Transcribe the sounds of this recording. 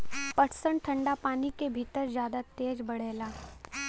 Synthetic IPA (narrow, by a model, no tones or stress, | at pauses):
pɐʈʰsəɳʈʰɐ̃ɳɖapaːnikebʱit̪əɾzjaːd̪at̪eːd͡ʒbɐɽ̤eːlaː